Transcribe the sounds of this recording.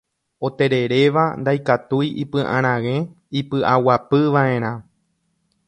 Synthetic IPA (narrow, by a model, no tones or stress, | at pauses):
o̞t̪e̞ɾeɾe̞ʋand̪ajkat̪ujḭpɨ̃ʔã̰ɾ̃ãʋẽ̞ | ipɨʔawapɨʋaẽ̞ɾ̃ã